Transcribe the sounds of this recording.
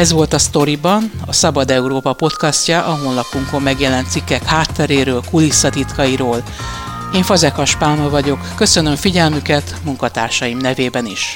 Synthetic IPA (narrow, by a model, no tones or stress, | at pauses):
ɛzʋo̞lt̪ɒst̪o̞ɾibɒnɒsɒbɒd̪ɛuɾoːpɒpo̞t̪kɒscɒʔɒɦoːnlɒpːuŋko̞mːɛɡjɛlɛnt̪sikːɛkhaːt̪ːɛɾeːɾøːlkulisːɒt̪it̪kɒiɾoːl | eːɱfɒzɛkhɒʃpaːnolvɒɟo̞kːø̞sø̞nøɱfiɟɛlmykɛt̪muŋkɒt̪a̰ːrʃɒjimnɛveːbɛniʃ